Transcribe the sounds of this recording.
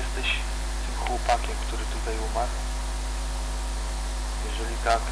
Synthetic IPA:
ɛst̪ɛʃ | t̪ɪmxwɔpakʲɛmkt̪uɾɪt̪ut̪ajumaɾ | jɛʒɛlit̪ak

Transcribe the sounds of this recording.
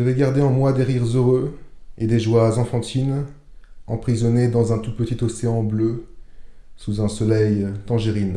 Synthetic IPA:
ʒavɛɡaʁd̪eɑ̃mwad̪eʁiʁzøʁøed̪eʒwazɑ̃fɑ̃t̪ʰin | ɑ̃pχizɔned̪ɑ̃zɛ̃t̪ut̪pət̪it̪ɔseɑ̃blø | suzɛ̃sɔlɛjt̪ɑ̃ʒeʁin

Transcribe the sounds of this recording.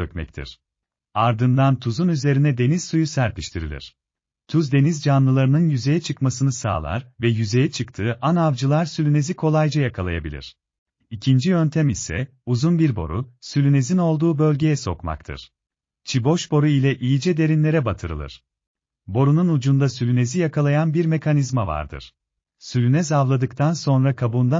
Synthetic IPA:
økmɛ̰c̚t̪ʰḭɾ̥ | aɾd̪ɯnd̪ant̪ʰuzunyze̞ɾinɛd̪e̞niz̥sujusæɾpʰiʃt̪ʰiɾḭlʲḭɾ̥ | t̪ʰuzd̪e̞nizd͡ʒanlˠɯlˠaɾɯnɯnjyze̞jɛt͡ʃʰɯkmasɯnɯsa̰ːlˠa̰ɾvɛjyze̞jɛt͡ʃʰɯkt̪ʰɯːʔanavd͡ʒɯlˠaɾsylʲyne̞zikʰo̞lˠajd͡ʒajakʰalˠaja̰bilʲḭɾ̥ | icʰind͡ʒijø̞nt̪ʰæmisɛ̰ | uzunbiɾbo̞̰ɾṵsylʲyne̞zino̞lˠd̪uːbø̞lʲɟe̞jɛso̞̰kma̰kt̪ʰɯ̰ɾ̥ | t͡ʃʰibo̞ʃbo̞ɾuilʲɛʔijid͡ʒɛd̪e̞ɾinlʲe̞ɾɛbat̪ʰɯɾɯ̰lˠɯ̰ɾ̥ | bo̞ɾununud͡ʒund̪asylʲyne̞zijakʰalˠajanbiɾme̞kʰanizmava̰ɾd̪ɯ̰ɾ̥ | sylʲynɛzavlˠad̪ɯkt̪ʰanso̞nɾakʰabund̪a

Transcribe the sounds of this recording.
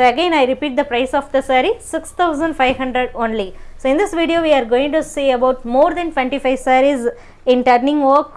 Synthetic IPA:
oɐɡẽːnaɪɾɪpiːʈ̚d̪ɐpɾaɪsɔːfd̪ɐsɐɾisɪkst̪ʰaʊzə̃ɳɖfaɪʋɦɐ̃ɳɖɾeɖõːnlisoːɪ̃nd̪ɪsʋiːɖioːʋiːaːɾɡoːɪ̃ŋʈusiːɐbaʊʈmoːɾd̪ɛ̃nʈʋɛ̃ɳʈifaɪʋsɛɾiz | ɪ̃nʈɐɾnĩŋɡʋəɾk

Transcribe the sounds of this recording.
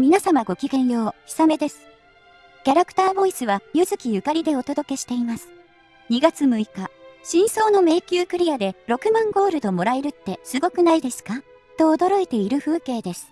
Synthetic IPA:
mʲinasamaɡo̞kʲiɡẽ̞ɰ̃jo̞ːçi̥same̞d̪e̞sɨ̥ | kʲaɾakɯ̟̥t̪aːbo̞isɨβajɯzɨkʲijɯ̟kaɾʲid̪e̞o̞t̪o̞d̪o̞ke̞ɕi̥t̪e̞imasɨ̥ | ɲ̟iɡat͡sɨmɯ̟ikaɕĩɰ̃so̞ːno̞me̞ːkʲɨːkɯ̟ɾʲijad̪e̞ɾo̞kɯ̟mãŋɡo̞ːɾɯ̟d̪o̞mo̞ɾaeɾɯ̟t̪ːe̞sɨɡo̞kɯ̟naid̪e̞sɨ̥ka | t̪o̞ːd̪o̞ɾo̞et̪e̞iɾɯ̟ɸɯ̟ːke̞ːd̪e̞sɨ̥

